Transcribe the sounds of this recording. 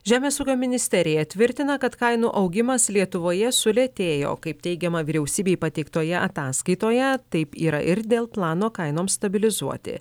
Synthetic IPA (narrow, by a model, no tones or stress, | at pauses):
ʒʲæːmʲeːsuːkʲoːmʲɪnʲɪsʲt̪ʲɛɾʲɪjɛt̪ʲʋʲɪɾʲt̪ʲɪnɐkɐt̪kɐɪnuːʔɐʊɡʲɪmɐslʲiɛt̪ʊʋoːjɛsʊlʲet̪ʲeːjo̰ːkɐɪp̚t̪ʲɛɪɡʲɛmɐʋʲɪɾʲɛʊsʲiːbʲeːjpɐt̪ʲɛɪkt̪oːjɛʔɐt̪ɑːskɐɪt̪oːjɛt̪ɐɪpiːɾɐʔɪɾd̪ʲeːlˠplˠɑːnoːkɐɪnoːmst̪ɐbʲɪlʲɪzuɔt̪ʲɪ̰